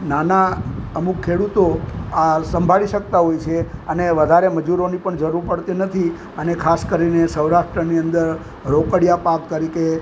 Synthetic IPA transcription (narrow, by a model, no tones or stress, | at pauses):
nanaəmukʰːeɽut̪oasəmbʱaɭiʃək̚t̪aɦojt͡ʃʰeəneʋəd̪ʱaɾeməd͡ʒuɾonipəɳd͡ʒəɾuɾpəɽt̪inət̪ʰi | ənekʰaskəɾinesəwɾaʃʈɾəniənd̪əɾ | ɾokəɽjapakkəɾike